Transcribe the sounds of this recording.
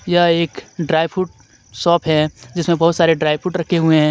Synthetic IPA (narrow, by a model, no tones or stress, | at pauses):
jaeːkɖɾaːɪʋfʰuʈ̚ | sɔːpʰɦɛd͡ʒɪsmẽbɐɦʊt̪saːɾeɖɾaːɪʋfʰʊʈɾɐkʰːeɦueɦɛ̃ː